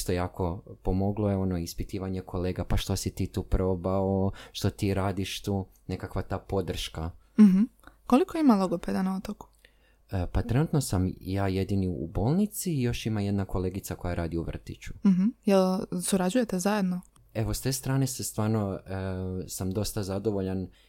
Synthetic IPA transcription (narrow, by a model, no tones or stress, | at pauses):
ʃt̪ojaːkʰo̞po̞mo̞ɡloeo̞noispit̪iːʋaɲe̞kʰo̞le̞ːɡapaʃt̪o̞sit̪iːt̪uːpɾo̞baoʃt̪o̞t̪iːɾaːd̪iʃt̪uː | ne̞kakʋat̪aːpo̞d̪r̩ʃka | m̩ɦm̩ | ko̞likoimalˠoɡoped̪anaot̪oku̥ | əpat̪ɾe̞nut̪no̞samjaːje̞d̪iniṵbo̞ːlˠnit̪siːjo̞ʃimaje̞d̪nako̞le̞ːɡit̪sako̞jaɾʔaːd̪iuʋr̩t̪it͡ɕu̥m̩ɦm̩jelsuɾad͡ʑuje̞t̪ezaje̞d̪no | e̞ʋost̪e̞ːst̪ɾaːne̞sest̪ʋaːɾno | samd̪o̞st̪azad̪o̞ʋoʎan